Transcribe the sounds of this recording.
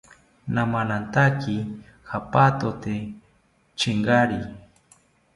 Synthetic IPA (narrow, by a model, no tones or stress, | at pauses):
namanant̪aki | xapat̪ot̪e | t͡ʃiŋɡaɾi